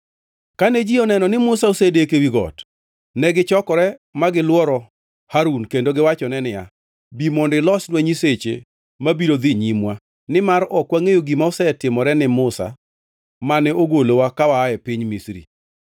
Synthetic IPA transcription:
kanɛd͡ʒiɔnɛnɔnɪmʊsaosedekewiɡɔ̰t | nɛɡɪt͡ʃɔkɔɾɛmaɡɪlwɔɾɔ | haɾunkendoɡɪwat͡ʃɔnɛnɪja | bimɔndɪlɔsnwɛɲiset͡ʃḛ | mabiɾod̪iɲimwa | nɪmaɾɔkwaŋejoɡimaosɛtɪmɔɾɛnɪmʊsa̰ | manɛoɡolowakawaːjɛpiɲmisɾḭ

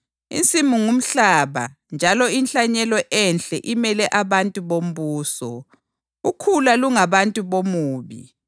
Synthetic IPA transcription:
ḭnt͡sʼimuŋum̩ɬaːβa̰ | nd͡ʒʱalɔinɬaɲɛlɔʔɛnɬɛʔimɛlɛʔaβantʼuβom̩βuːsɔ̰ | ukʰulaluŋaβantʼuβomuːβḭ

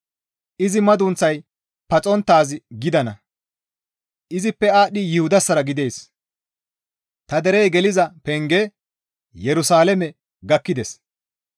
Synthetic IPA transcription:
ʔɪzɪmɐd̪ʊnt͡sːɐj | pɐt͡sʼɔnt̪ːaːzɪɡɪd̪ɐnɐ | ʔɪzɪpːɛaːɗɪjɪhʊd̪ɐsːɐɾɐɡɪd̪eːs | t̪ɐd̪ɛɾɛjɡɛlɪzɐpɛŋɡɛ | jɛɾʊsaːlɛmɛ | ɡɐkːɪd̪ɛs

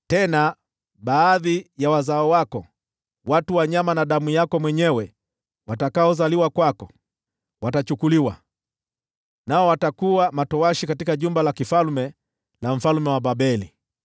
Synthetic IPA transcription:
tɛna | ɓaːðijawazaɔwakɔ | watuwaɲamanaɗamujakɔmwɛɲɛwɛ | watakaɔzaliwakwakɔ | watat͡ʃukuliwa | naɔwatakuwamatɔwaʃikatikaʄumbalakifalmɛ | lam̩falmɛwaɓaɓɛlḭ

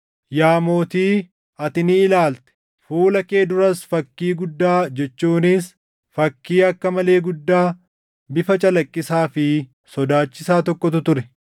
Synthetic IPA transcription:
jaːmo̞ːt̪iː | ɐt̪ɪnɪːlaːlt̪ɛ̥ | fuːlɐke̞ːd̪ʊɾɐsfɐkːiːɡʊd̪ːaːd͡ʒɛt͡ʃːuːnɪs | fɐkːiːɐkːɐmɐle̞ːɡʊd̪ːaː | bɪfɐt͡ʃʼɐlɐkʼːɪsaːfɪ | sɔd̪aːt͡ʃːɪsaːt̪ɔkʼːɔt̪ʊt̪ʊɾɛ

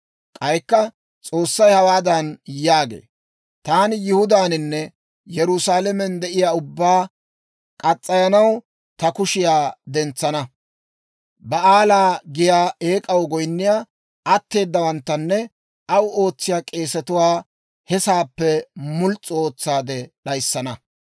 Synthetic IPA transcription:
kʼɐjkːɐ | t͡sʼo̞ːsːɐjhɐwaːd̪ɐnjaːɡḛː | t̪aːnɪjɪhʊd̪aːnɪnːɛ | jɛɾʊsaːlɛmɛnd̪ɛʔɪjaːʊbːaː | kʼɐt͡sʼːɐjɐnɐw | t̪ɐkʊʃɪjaːd̪ɛnt͡sːɐnɐ | bɐʔaːlaːɡɪjaːe̞ːkʼɐwɡɔjnːɪjaː | ɐt̪ːe̞ːd̪ːɐwɐnt̪ːɐnːɛ | ʔɐwo̞ːt͡sːɪjaːkʼe̞ːsɛt̪ʊwaː | hɛsaːpːɛmʊlt͡sʼːʊo̞ːt͡sːaːd̪ɛɗɐjsːɐnɐ

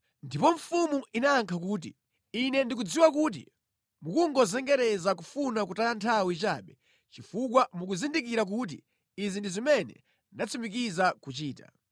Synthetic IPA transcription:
ndipɔɱ̩fumuʔinaːŋkʰak̬uːt̬i | inɛndik̬ud͡ziwak̬uːt̬ḭ | mukuŋɡɔzɛŋɡɛɾɛzakufunakutajantʰawit͡ʃaɓɛ | t͡ʃifuk̬wamuk̬uzindikiɾak̬ut̬ḭ | izindizimɛnɛ̰ | ndat͡sʰimik̬izakut͡ʃiːta̰

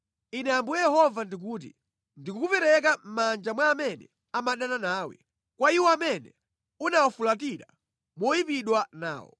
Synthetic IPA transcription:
inɛambujjɛhɔvandik̬uːt̬ḭ | ndikukupɛɾɛk̬am̩mand͡ʒamwaːmɛnɛ̰ | amaɗananaːwɛ̰ | kwaiwɔamɛnɛ | unawafulatiɾa | mɔjipiɗwana̰ːwɔ̰

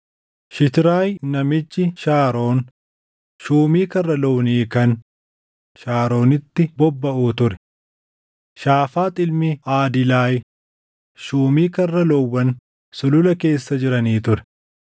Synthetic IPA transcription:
ʃɪt̪ɪɾaːjnɐmɪt͡ʃːɪʃaːɾo̞ːn | ʃuːmiːkɐrːɐlɔwniːkɐn | ʃaːɾo̞ːnɪt̪ːɪbɔbːɐʔuːt̪ʊɾɛ̥ | ʃaːfaːt̪ʼɪlmɪaːd̪ɪlaːj | ʃuːmiːkɐrːɐlɔwːɐn | sʊlʊlɐke̞ːsːɐd͡ʒɪɾɐniːt̪ʊɾɛ̥

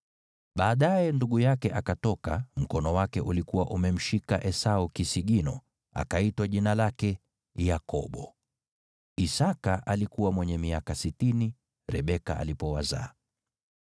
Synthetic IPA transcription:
ɓaːɗajɛnduɠujakɛʔakatɔkam̩kɔnɔwakɛʔulikuwaʔumɛm̩ʃikaʔɛsaukisiɠinɔ | a̰kaitwaʄinalakɛ | jakɔɓɔ | isakaʔalikuwamwɛɲɛmiakasitini | ɾɛɓɛka̰ʔa̰lipɔwaza̰ː

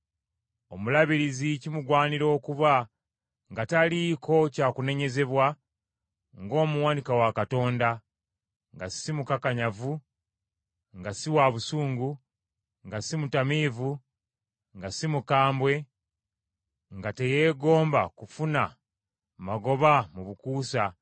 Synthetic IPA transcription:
o̞mulaβiɾizicimuɡwaːniɾo̞ːkuβa | ŋɡatalikʰo̞caːkune̞ɲe̞ze̞βwa | ŋɡo̞ːmuwaːnikawakato̞ːnda | ŋɡasimukakaɲavu | ŋɡasiwaβusuːŋɡu | ŋɡasimutamiːvu | ŋɡasimukaːmbwe̞ | ŋɡate̞je̞ːɡo̞ːmba̰kufuna | maɡo̞βamuβukuːsa

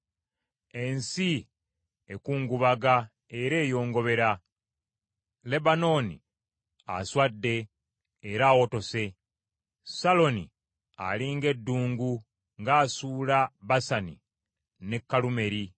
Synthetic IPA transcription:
e̞nsi | ekuːŋɡuβaɡa | e̞ɾe̞ːjo̞ːŋɡo̞βe̞ɾa | le̞bano̞nḭ | a̰swadːe̞ː | ɾaːwo̞to̞se̞ | salo̞ni | a̰liŋɡe̞dːuːŋɡu | ŋɡaːsuːlaβasanḭ | ne̞kːalume̞ɾi

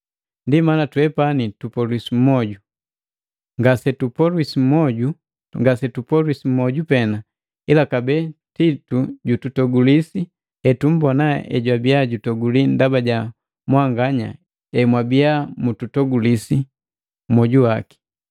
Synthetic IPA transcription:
ndimanatuwɛpanitupɔlwisim̩mɔɟu | ŋɡasɛtupɔlwisim̩mɔɟu | ŋɡasɛtupɔlisim̩mɔɟupɛna | ilakabɛtituɟututɔɡulisi | ɛtum̩bɔnaɛ̰ɟwabijaɟutɔɡulindabaɟa | mwaŋɡaɲa̰ | ɛmwabiamututɔɡulisi | mɔɟuwaki̥

